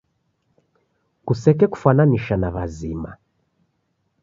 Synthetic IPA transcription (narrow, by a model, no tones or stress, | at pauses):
kusɛkɛku̥fananiʃanaβazima̰